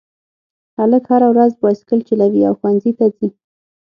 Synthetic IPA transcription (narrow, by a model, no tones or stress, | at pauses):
haləkhaɾawɾazbɑskəlt͡ʃəlawiawxwanzit̪azi